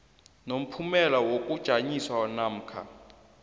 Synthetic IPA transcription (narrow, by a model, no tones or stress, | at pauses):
nom̩pʰumɛlawok̬ʼud̥ʒ̥ʱaɲiswanam̩ːkʰa̰